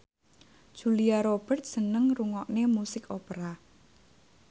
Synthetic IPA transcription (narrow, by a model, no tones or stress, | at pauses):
d̥ʒ̥uliaɾob̥ə̤rt̪̚sənəŋruŋɔʔnemusɪkopeɾa